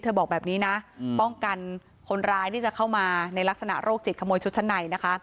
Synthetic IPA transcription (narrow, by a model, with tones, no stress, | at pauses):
t̪ʰɤː˧bɔː˨˩k̚bɛː˨˩p̚niː˦˥na˦˥pɔ˥˩ŋka˧n | kʰo˧nɾaː˧jt̪ʰiː˥˩t͡ɕa˨˩kʰa˥˩wmaː˧na˧jla˦˥k̚sa˧na̰˨˩ɾoː˥˩k̚t͡ɕi˨˩t̪̚kʰa˧moː˧jt͡ɕʰu˦˥t̪̚t͡ɕa˧˥nːa˨˩jna˦˥kʰa˦˥